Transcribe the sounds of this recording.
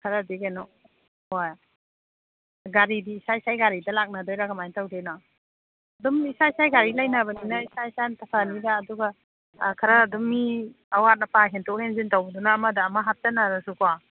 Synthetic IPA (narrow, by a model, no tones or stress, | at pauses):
kʰɐɾɐdiɡenɔ | waj | ɡaɾidiːsaisajɡaɾidɐlak̚nadojɾaɡɐmajntawdena | ɐdumisaisajɡaɾilajnabɐninɐisajisajntʰɐpʰanidaːduɡa | kʰɐɾɐːdɔmːi | ɐwat̚nɐpʰaɦentʰɔk̚henzintawbdunaːmɐdɐːmɐɦap̚tɐnaɾɐsukwa